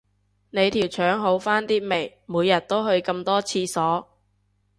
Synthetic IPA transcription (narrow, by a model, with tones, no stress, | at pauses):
ne˨˧jt̪ʰiː˨˩wt͡ʃʰœː˨˥ŋɦo˨˥wfaː˥nt̪iː˥me˨˩j | muː˨˧jːɐ˨˩t̚t̪o˥whɵ˧ɥkɐ˧mt̪ɔː˥t͡sʰiː˧sɔː˨˥